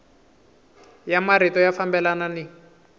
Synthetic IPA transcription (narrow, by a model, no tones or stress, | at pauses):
jamaɾitɔjafambɛlanani